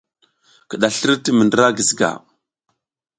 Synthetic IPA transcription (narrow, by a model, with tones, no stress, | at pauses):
kə˨ɗa˨ɬə˦ə˦ti˦mə˨ndə˦ɾa˦ɡi˨zɡa̰˨